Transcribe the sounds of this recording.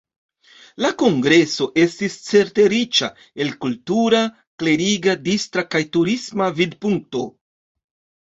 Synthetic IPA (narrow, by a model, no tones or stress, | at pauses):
lako̞ŋɡɾe̞so̞ʔe̞stist͡se̞ɾte̞ɾit͡ʃa̰ | e̞lkultuɾa | kle̞ɾiɡadistɾakajtuɾismavidpuŋk̚to̞